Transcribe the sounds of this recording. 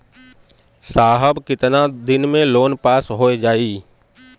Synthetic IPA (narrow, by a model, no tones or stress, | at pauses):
saːɦəbkɪt̪nad̪ɪnmẽloːnpaːsɦoːed͡ʒaːiː